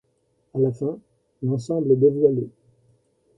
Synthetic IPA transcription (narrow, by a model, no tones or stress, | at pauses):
alafɛ̃ | lɑ̃sɑ̃blɛd̪evwale